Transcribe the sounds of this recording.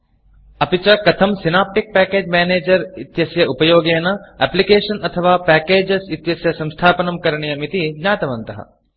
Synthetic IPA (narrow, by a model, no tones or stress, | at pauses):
ɐpit͡ʃɐkɐt̪ʰɐmsinaːp̚ʈɪk̚pɛːkeːd͡ʒmɛːneːd͡ʒɐɾɪt̪jɐsjɐupɐjoːɡeːnɐɛːplikeːʃɐnɐt̪ʰɐʋaːpɛːkeːd͡ʒɐsɪt̪jɐsjɐsɐ̃mst̪ʰaːpɐnɐmkɐɾɳ̃ijɐmit̪inaːt̪ɐʋɐnt̪ɐɦɐ̰